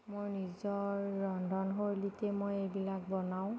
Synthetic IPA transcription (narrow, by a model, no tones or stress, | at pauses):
mojnizɔɹːɔndʱɔnɦoɹlitɛmojejbilak̚bɔnaw̃